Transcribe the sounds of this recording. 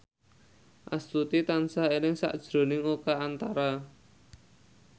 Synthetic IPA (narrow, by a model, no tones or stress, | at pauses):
ʔa̰st̪ut̪it̪ansaenɪŋsa̰ʔd̥ʒ̥ɾo̤nɪŋukaːnt̪aɾa